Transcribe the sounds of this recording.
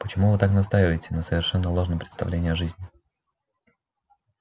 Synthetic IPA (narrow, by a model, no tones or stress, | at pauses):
pət͡ɕɪmuvɨt̪aknɐst̪ajɪvəjɪtʲɪnəsəvʲɪrʂɛnːəlˠo̞ʐnəjpɾʲɪt̪st̪ɐ̰vlʲenʲɪjɐʐɨzʲnʲɪ